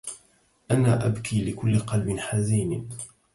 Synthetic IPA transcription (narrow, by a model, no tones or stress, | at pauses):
ʔanaːʔabkʰiːlɪkʊlːɪqɑlbɪnħaziːn